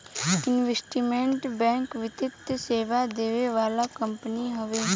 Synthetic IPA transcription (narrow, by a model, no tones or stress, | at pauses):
ɪnʋesʈiːmẽɳʈbɛ̃ːŋkʋɪt̪ɪt̪ːseːʋad̪eːʋeʋaːlakəmpəniɦəʋeː